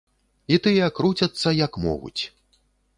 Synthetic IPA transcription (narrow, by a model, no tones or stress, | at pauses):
it̪ɨjɛakɾut͡sʲɐt̪sːɐjɐkmɔ̰ɣṵt͡sʲ